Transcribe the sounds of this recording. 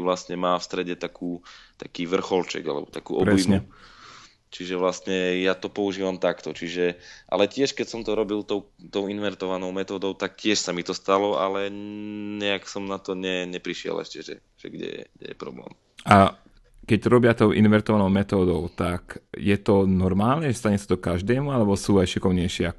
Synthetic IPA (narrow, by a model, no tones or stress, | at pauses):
ʋlastɲɛmaːfst̪ɾɛɟɛt̪akʰuːt̪akiːʋr̩xɔlt͡ʃɛ̰ɡalɛ̰bɔt̪akṵːɔpɾɛisɲɛ | t͡ʃiʒɛʋlastɲɛjat̪ɔpɔuʒiːʋamt̪akt̪ɔt͡ʃiʒɛʔa̰lɛcɪɛʃkɛcsɔmt̪ɔɾɔbilt̪ɔʊ | t̪ɔʊinʋɛɾt̪ɔʋanɔʊmɛt̪ɔːd̪ɔʊt̪ak̚cɪɛʃsamit̪ɔst̪alɔalɛɲɛaksɔmnat̪ɔɲɛɲɛpɾiʃɪɛ̰lɛ̰ʃcɛʒɛ̰ | ʒ̥ɛ̰ɡɟɛ̰jɛ̰ɡdɛ̰jɛ̰pɾɔ̰blɛ̰ːm | ʔa | kɛɟɾɔbɪat̪ɔʊʔinʋɛɾt̪ɔʋanɔʊmɛt̪ɔːd̪ɔʊt̪akjɛt̪ɔnɔɾmaːlnɛʒɛst̪aɲɛsḁt̪ɔkaʒd̪ɛːmualɛbɔsuːajʃikɔʋɲɛjʃɪɛak